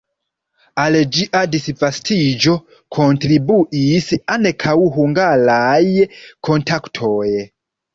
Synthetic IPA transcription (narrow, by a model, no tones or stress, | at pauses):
ald͡ʒiʔadisvastid͡ʒo̞ | kʰo̞ntɾibuʔisanekʰawɦuŋɡaɾajkʰo̞ntaktʰoj